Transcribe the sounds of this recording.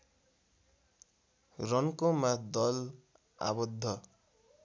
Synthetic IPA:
rʌnkomad̪ʌl | a̰bʌd̪ʱːʌ

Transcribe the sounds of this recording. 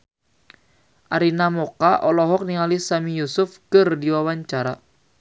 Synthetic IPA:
ʔaɾinamɔkaʔɔlɔɦɔk̚niŋalisamijusʊfkɨrdiwawaɲt͡ʃaɾa

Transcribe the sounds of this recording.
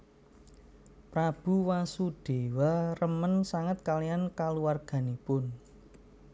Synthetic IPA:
pɾab̥ṳwasuɖ̥e̤warəmənsaŋət̪̚kalijankaluarɡ̥a̤nipʊn

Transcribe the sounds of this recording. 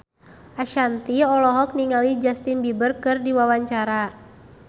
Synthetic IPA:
ʔaʃant̪iɔlɔɦɔk̚niŋalid͡ʒast̪inbibərkɨrdiwawaɲt͡ʃaɾa

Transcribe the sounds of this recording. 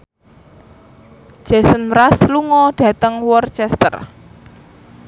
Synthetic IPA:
ʒ̥asənmɾasluŋɔɖ̥ä̤t̪əŋwɔrt͡ʃɛst̪ə̰r

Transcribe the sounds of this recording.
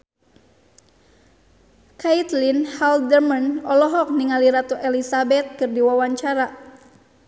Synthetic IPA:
kait̪linhaldərmənɔlɔɦɔk̚niŋaliɾat̪uʔɛlisabɛt̪̚kɨrdiwawaɲt͡ʃaɾa

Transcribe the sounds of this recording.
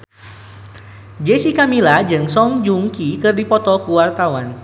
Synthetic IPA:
d͡ʒesikamilad͡ʒɨŋsɔŋd͡ʒuŋkikɨrdipɔt̪ɔkuwart̪awan

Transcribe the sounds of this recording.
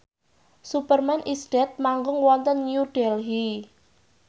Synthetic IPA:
supərmɛnʔisd̥ɛt̪̚maŋɡʊŋwɔnt̪ənːjuɖ̥ɛlɦi

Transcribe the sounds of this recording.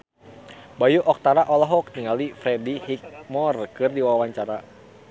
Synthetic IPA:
bajuʔɔk̚t̪aɾaʔɔlɔɦɔk̚niŋalifɾɛdihik̚mɔrkɨrdiwawaɲt͡ʃaɾa

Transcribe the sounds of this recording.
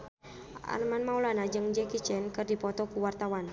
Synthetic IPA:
ʔa̰rmanmaulanad͡ʒɨŋd͡ʒɛkit͡ʃɛnkɨrdipɔt̪ɔkuwart̪awan

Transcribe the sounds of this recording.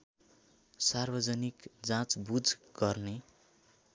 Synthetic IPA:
sarbʌd͡zʌnikd͡zãt͡sbud͡zɡ̥ʌrne

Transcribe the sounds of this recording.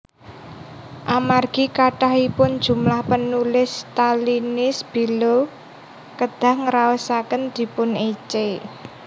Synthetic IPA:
ʔamarɡ̥i̤kaʈaɦipʊnd̥ʒ̥ṳmlahpənulɪst̪alinɪsb̥i̤lo | kəd̪̥a̤hŋəɾaəsakənd̪̥i̤pʊnit͡ʃe

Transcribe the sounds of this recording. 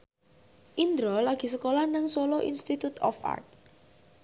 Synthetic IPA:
ʔind̪ɾɔlaɡ̥i̤səkolanaŋswoloʔḭnst̪it̪ut̪ɔ̰fa̰rt̪̚

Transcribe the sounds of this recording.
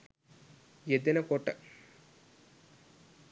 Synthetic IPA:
jed̪inɐkoːʈːɐ̰

